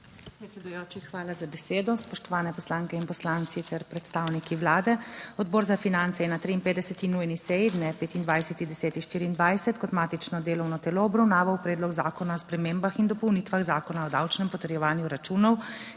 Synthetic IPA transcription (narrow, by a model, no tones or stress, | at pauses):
ppɾɛt̪sɛd̪ujoːt͡ʃixʋaːlazabɛseːd̪ɔspɔʃt̪ɔʋaːnɛpɔslaːŋkɛinpɔslaːnt̪sit̪ɛɾpɾɛt̪st̪aːwnikiʋlaːd̪ɛɔd̪̚bɔːɾzafinant̪sɛjɛnat̪ɾiinpeːd̪ɛsɛt̪inujnisɛjid̪nɛpeːt̪ind̪ʋajsɛt̪id̪ɛsɛːt̪inʃt̪iːɾiːnd̪ʋajsɛt̪kɔt̪maːt̪it͡ʃnɔd̪eːlɔwnɔt̪ɛlɔɔbɾawnaːʋawpɾɛːd̪lɔɡzaːkɔnaɔspɾɛmeːmbaxind̪ɔpɔwniːt̪ʋaɣzaːkɔnaɔd̪awt͡ʃnɛmpɔt̪ɛɾjɛʋaːnjuɾat͡ʃuːnɔw